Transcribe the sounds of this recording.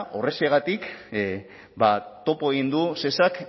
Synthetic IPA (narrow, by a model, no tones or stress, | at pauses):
ʔo̞re̞seɣat̪ik | bat̪o̞poeɣ̞ind̪use̞sak